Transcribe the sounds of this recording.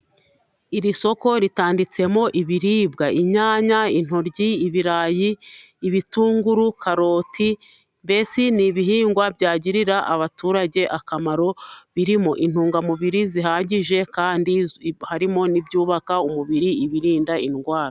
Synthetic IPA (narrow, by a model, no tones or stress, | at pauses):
iɾiso̞ko̞ɾitaːndit͡se̞mo̞ʔiβiɾiːbɡaiɲaːɲain̥ho̞ɾɟiːβiɾaːjiː | βituːŋɡuɾukaɾo̞ːti | mbe̞siniβiɦiːŋɡwabɟaːɟiɾiɾaʔaβatuːɾaɟe̞ʔakamaɾo̞βiɾimo̞ʔin̥huːŋɡamuβiɾiziɦaːɟiʒe̞kaːndihaɾimo̞nibɟuːβakaumuβiɾiːβiɾiːndainɡwaːɾa